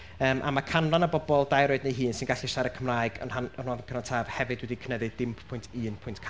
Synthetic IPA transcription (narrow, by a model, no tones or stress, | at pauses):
əːmʔa̰makʰanlˠanəbɔbɔlˠdajɾoɨdnejɦiːnsɪnɡaɬɪʃaɾəkʰəmraːɨɡɔ̰nhanɔn̥huavənkʰənɔtʰaːv̥hɛvɨdwɛdikʰənɛðɨdɪmpʰpʰʊjntʰiːnpʰʊjntʰkʰ